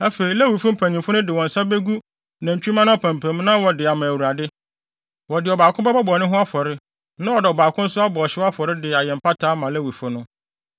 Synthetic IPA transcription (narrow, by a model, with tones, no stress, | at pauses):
æ˦fe˨ɾi˨læ˦wi˨fʊ˦m̩˦pʰæ̃˨ɲĩ˨mfʊ˦nʊ̃˦dɪ˨wɔ̃˨n̩˨sa˦be˦ɡu˦ | nã˨ɲ̩˨t͡ɕʰᶣu˦ã˦nã˦ɔ˨pʰæ̃˨mpʰæ̃˨m˦nã˦wɔ˨dɪ˨a˨mã˨æ˨wu˨a˨dɪ˦ | wɔ˨dɪ˨ɔ˨baː˨kʰʊ̃˦bɛ˦ba˦bɔ˨nɪ̃˦ɦʊ̃˦a˦fɔ˨ɾɪ˦ | nã˦ɔ˨dɪ˨ɔ˨baː˨kʰʊ̃˦n̩˦sʊ˦a˦bɔ˨ɔ˨ɕɪ˦a˦fɔ˨ɾɪ˦dɪ˨a˨jɛ̃˨m̩˨pa˦tʰaː˦mã˨læ˦wi˨fʊ̃˦nʊ̃˦